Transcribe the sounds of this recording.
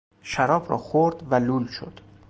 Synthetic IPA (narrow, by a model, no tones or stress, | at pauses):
ʃæɾɒːbɾɒ̰ːxoɾd̪væluːlʃo̰d̪̥